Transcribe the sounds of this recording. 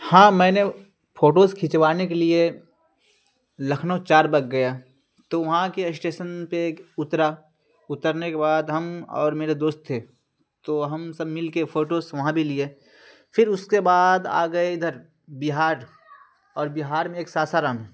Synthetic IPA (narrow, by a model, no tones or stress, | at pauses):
hãːmɛ̃ːne | fʰoːʈoːskʰɪt͡ʃʋaːnek̬elie | lɐkʰnot͡ʃaːɾbɐɡɡɐja | t̪oʋɐɦãkesʈeːʃənpeːkʊt̪ɾa | ʊt̪əɾnekebaːd̪ɦɐmɔ̰ːɾmeːɾed̪oːst̪ʰːeː | t̪oɦɐmsɐbmɪlkefʰoːʈosʋɐɦãbʱilie | pʰɪɾʊskebaːd̪a̰ːɡəed̪ʱɐɾ | bɪɦaːɾ | ɔːɾbɪɦaːɾmẽeːksaːsaɾaːmɦɛ̃ː